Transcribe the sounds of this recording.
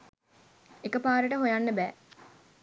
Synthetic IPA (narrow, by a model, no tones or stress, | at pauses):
ekəpaːɾəʈəɦojanːəbæː